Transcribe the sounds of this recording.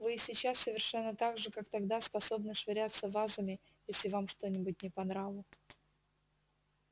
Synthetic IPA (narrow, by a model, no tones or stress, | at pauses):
vɨsʲɪt͡ɕːasːəvʲɪrʂɛnːət̪aɡʐɨkakt̪ɐɡd̪aspɐso̞bnəʂvɪɾʲat̪səvazʊmʲɪ | jesʲlʲɪvamʂt̪o̞nʲɪbʊt̚ʲnʲɪpɐnɾavlˠə